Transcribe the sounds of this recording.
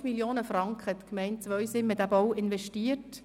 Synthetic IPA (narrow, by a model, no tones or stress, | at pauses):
miljoːnəfrɑŋkχət̪kmɛɪnt͡sʋœʏɥsɪmːədæbɔwɪnʋɛʃtiːət